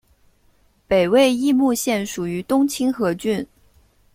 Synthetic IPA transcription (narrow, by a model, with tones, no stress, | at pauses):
pe˨˩ɪwe˥˧ɪi˥˧mu˥˧ɕjɛ˥˩nʂu˨˩y˧˥t̪ʊ˥ŋt͡ɕʰi˥ŋxɤ˧˥t͡ɕy˥˩n